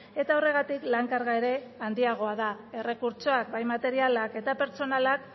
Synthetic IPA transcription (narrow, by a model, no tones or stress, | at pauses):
e̞t̪ao̞re̞ɣ̞at̪iklaŋkaɾɣae̞ɾe̞and̪iaɣ̞o̞að̞ae̞re̞kuɾt͡ʃo̞ak̚bajmat̪e̞ɾialake̞t̪ape̞ɾt͡ʃo̞nalak